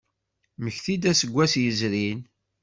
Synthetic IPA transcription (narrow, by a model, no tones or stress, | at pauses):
məçθid̪æsəɡʷːæsjəzɾin